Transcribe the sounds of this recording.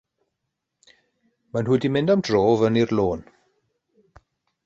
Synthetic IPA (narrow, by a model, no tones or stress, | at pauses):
manhuːdimɪndamd̥roːvənirloːn